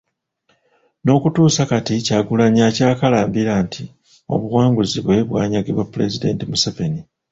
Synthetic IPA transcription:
no̞ːkutuːsakaticaɡulaɲacaːkalaːmbiɾantʰi | o̞̰βuwaːŋɡuziβwe̞βwa̰ːɲaɡiβwapːule̞zide̞̰ːntimuseveni

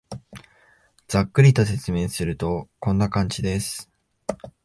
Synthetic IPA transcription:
d͡z̥akːɯ̟ɾʲit̪o̞se̞t͡sɨme̞ːsɨɾɯ̟t̪o̞kõ̞nːakãɲ̟d͡ʑid̪e̞sɨ̥

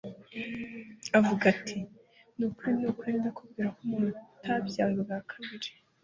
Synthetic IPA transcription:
avuɡatʰi | nukuɾinukweːndakubɡiːɾakumuntʰabjaːŋɡaβakʰaβiɾe

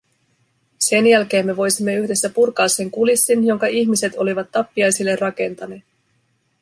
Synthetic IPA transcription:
se̞njælk̟e̞ːmːe̞ʋo̞jsimːe̞yçde̞sːæpurkɑːsːe̞ŋkulisːinjo̞ŋkɑʔiçmise̞t̪o̞liʋɑt̪ːɑpːiɑjsilːe̞rrɑke̞nt̪ɑne̞ːt̪

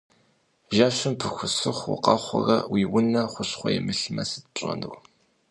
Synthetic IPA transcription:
ʒaːɕɪmpʰɨxʷʊsɨχʷwʊ̰qɑχʷʊrɐwiːwʊnɐχʷʊɕχʷɔjɛmɨɬɨmɐsɨt̚pɕʼɐ̰nɨw

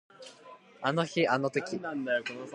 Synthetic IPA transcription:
ano̞çianot̪okʲind̪ajokon

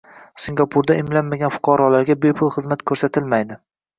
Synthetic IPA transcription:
sɪŋɡapʰʊɾd̪aɪmlanmaɡʲanfʊ̥qʰɑɾɒlaɾɡʲabe̞pʰʊlˠχɨzmat̪kʰɵɾsat̪ʰɪlmajd̪ɪ

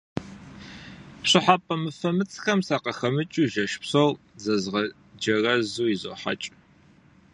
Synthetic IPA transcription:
ɕɨħapʼɐmɨfɐmɨt͡sʼxɐmsaːqɐxɐmɨt͡ʃʼuːʒɐʃpsow | zɐzʁɐ | d͡ʒɐrɐzuːizo̰ħa̰t͡ʃʼ

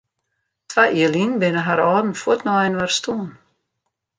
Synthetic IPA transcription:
t̪ʰvaʔilinbenəɦaɾɔːd̪n̩fɔt̪nɔɛnvaɾ̥st̪uːn

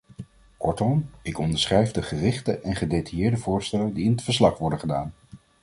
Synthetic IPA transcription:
kɔ̰ɹtɔmɪkɔndəɹsχrɛjvdəχərɪχtəʔɛnχədejtajɪːɹdəvʊːɹstɛlədiɪnətfəɹslɑχʋɔɹdəχədaːn

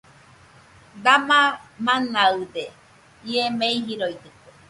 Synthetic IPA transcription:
d̪amamanaɯd̪e | iemeiɦiɾoit̪ɯke

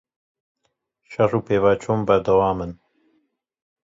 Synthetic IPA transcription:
ʃɐruːpeːvaːt͡ʃʰoːmbɐɾd̪ɐwaːmɨn

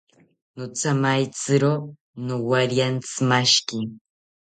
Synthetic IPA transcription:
nʊt͡samajt͡sɨɾo | nowaɾjant͡sɨ̥maʃkɪŋ

